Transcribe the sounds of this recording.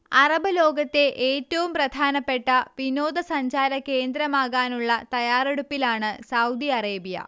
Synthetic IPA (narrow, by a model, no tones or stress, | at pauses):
ɐrɐbʱɐlo̞ːɡɐt̪ːe̞ʔeːtːɐʋumprɐd̪ʱaːnɐpːe̞ʈːɐʋino̞ːd̪ɐsɐɲd͡ʑaːɾɐke̞ːnd̪ɾɐmaːɣaːnuɭːɐt̪ɐjaːreɽupːilaːɳɨsɐwd̪iɐreːbijɐ̰